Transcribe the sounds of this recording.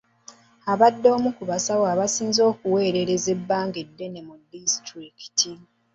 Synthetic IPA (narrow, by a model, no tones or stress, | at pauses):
aβadːo̞ːmukuβasawaːβasiːnzo̞ːkuwe̞ːɾe̞ɾe̞ze̞bːaːŋɡedːe̞ne̞mudistɾiki̥ti